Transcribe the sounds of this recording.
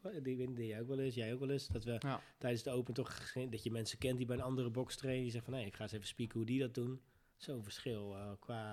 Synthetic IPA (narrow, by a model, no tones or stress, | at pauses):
dɪkʋetnidɪjɛjowkʋɛlˠɪsjɛjowkʋɛlˠɪsd̥ɔtʋətɛjdənsdəowpənətɔχdɔtjəmɛnsəkɛntdibɛjənɑndərəbɔkstrejnədijəzɛxtfɔnejɪkχaːsevəspikəhudidɔt̚dun | sonvərsχɪlˠkʰʋaː